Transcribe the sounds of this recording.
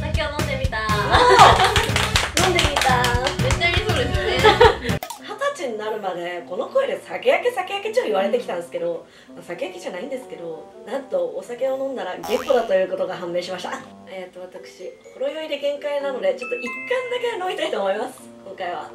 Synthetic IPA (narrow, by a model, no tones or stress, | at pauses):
sakeonõnd̪emʲit̪a | nõnd̪e̞mʲit̪amet͡ɕːaɾʲisoːd̪esɨne | hat̪at͡ɕiɲ̟inaɾɯ̟mad̪e̞ko̞no̞ko̞id̪e̞sake̞jake̞sake̞jaket͡ɕoːoiβaɾe̞t̪e̞kʲi̥t̪ãnd̪esɨ̥ke̞d̪o̞ | masake̞jakʲiʑanaĩnd̪e̞sɨ̥ke̞d̪o̞nãnt̪o̞ːsake̞o̞nõ̞nːd̪aɾaɡempːo̞d̪at̪o̞jɯ̟ːko̞t̪o̞ɡaɦãmːe̞ːɕimaɕi̥t̪a | et̪ːo̞β̞at̪akɯ̟̥ɕiko̞ɾo̞jo̞id̪e̞ɡẽ̞ŋkainano̞d̪e̞t͡ɕo̞t̪ːo̞ʔikːãnd̪ake̞nomʲit̪ait̪o̞ːmoimasɨ̥kõ̞ŋkaiβa̰